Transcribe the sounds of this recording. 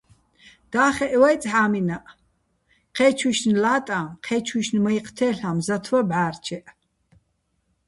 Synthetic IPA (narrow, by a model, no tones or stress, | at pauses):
d̪̥aːχɛʔwajt͡sʼħaːminaʔ | qʰɛːt͡ʃʰwiʃnlaːt̪ʼamqʰɛːt͡ʃʰwiʃnmɐiqʰʼt̪ʰɛːɬamzat̪ʰwabʕaːrt͡ʃʰɛʔ